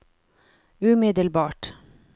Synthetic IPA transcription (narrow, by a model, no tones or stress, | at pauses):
ʉmɪd̪əlbɑːʈ